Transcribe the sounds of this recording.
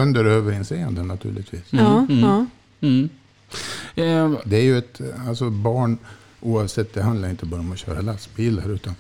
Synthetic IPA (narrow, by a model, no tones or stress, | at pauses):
ɵnd̪əɾøːvəɾɪnsɛjə̰nd̪ənːat̪ʰʉ̟ːɭɪt̪ʰviːs | d̪ɛæɾjɵɛt̪alsɔbɑːɳ | ʔuːavsɛt̪ːd̪ɛɦand̪laɾɪnt̪əbɑːɾaɔmɔɕœ̰ːɾa̰lasbiːlaɾʉ̟ːt̪an